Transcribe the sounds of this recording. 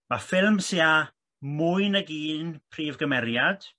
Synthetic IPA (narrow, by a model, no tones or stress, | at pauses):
mafɪlˠmsia | mʊɨnəɡiːnpʰriːvɡəmɛɾjad̥